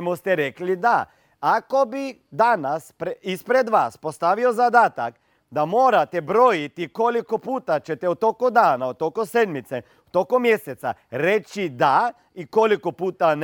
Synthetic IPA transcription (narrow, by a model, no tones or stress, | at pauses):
most̪eɾeklid̪aː | kobid̪anaspɾispɾed̪ʋaːspost̪aʋiozad̪aːt̪ak | d̪amoːɾat̪ebɾoːjit̪ikolikopuːt̪at͡ʃet̪ɛut̪okod̪aːnaot̪ːokosed̪mit̪se | ut̪okomjeset̪sa̰ɾet͡ʃid̪a | ikolikopuːt̪an